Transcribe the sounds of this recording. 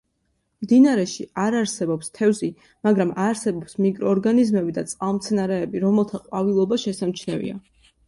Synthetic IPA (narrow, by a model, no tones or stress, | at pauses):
md̪inaɾɛʃiaɾaɾsɛbɔpst̪ʰɛvzi | maɡɾamaɾsɛbɔpsmikʼɾɔːɾɡanizmɛbid̪at̪sʼqʼavmt̪sʰɛnaɾɛːbiɾɔmɛlˠt̪ʰaqʼwavilˠɔbaʃɛsamt͡ʃʰnɛvḭa̰